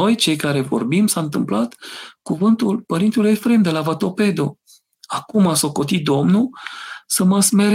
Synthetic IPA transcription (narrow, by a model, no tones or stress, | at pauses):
o̞jt͡ʃe̞jkaɾe̞vo̞̰rbimsaɨnt̪ɨmplat̪kuvɨnt̪ulpəɾint̪elujefɾe̞md̪e̞lavat̪o̞pe̞d̪o | akumaso̞ko̞t̪it̪̚d̪o̞mnusəməsme̞ɾ